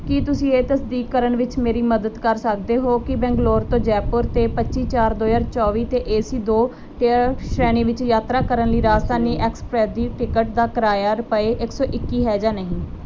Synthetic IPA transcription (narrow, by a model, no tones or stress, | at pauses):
kɪt̪ʊsĩːeːt̪əsd̪iːkːəɾəɳʋɪt͡ʃmeːɾiːməd̪əd̪kəɾsəkd̪eːɦoːkɪbɛ̃ːŋɡloːɾt̪õːd͡ʒɛːpʊɾt̪eːpətːt͡ʃiːt͡ʃaːɾd̪oːjaːɾt͡ʃɔːʋiːt̪eːʔeːsiːd̪oː | ʈʃɾɛːniːʋɪt͡ʃjaːt̪ɾaːkəɾənləiːɾaːst̪aːniːʔɛːkspɾɛːd̪iːʈɪkəʈ̚d̪aːkəɾaːjaːɾəpəeːʔɪksɔːʔɪkːiːɦɛːd͡ʒaːnəɦĩː